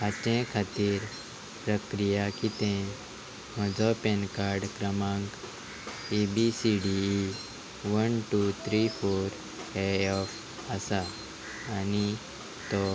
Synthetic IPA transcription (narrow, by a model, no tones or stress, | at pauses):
ɐt͡ʃẽkʰat̪iɾ | pɾəkɾijakit̪ẽ | mɐ̃d͡zɔːpenkaːɾɖkɾɐmãːŋɡ | ibisiːɖi | ʋənʈut̪ʰɾipʰoːɾ | eɔpʰ | asa | əni | t̪o